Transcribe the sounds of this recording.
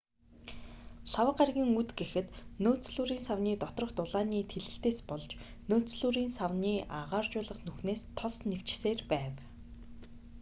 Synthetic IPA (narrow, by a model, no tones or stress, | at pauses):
ɬawə̆qarɣʲiːŋut̪ɡexɘ̆t̪noːt͡sɮuːɾiːnsawniːt̪ɔt̪rɞ̆χt̪ʊɮaːniːt̪ʰeɮɘ̆ɬt̪eːspɔɮt͡ɕ | noːt͡sɮuːɾiːnsawniːʔaʁaːrt͡ɕʊːɮə̆χnuxneːst̪ʰɔsnew̥t͡ɕseːrpæːw